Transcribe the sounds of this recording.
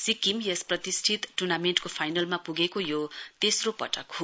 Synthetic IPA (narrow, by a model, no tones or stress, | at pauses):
sikimjesprʌt̪isʈʰit̪ʈurnameɳʈkopʰajnʌlmapuɡekojot̪esropʌ̰ʈʌkɦo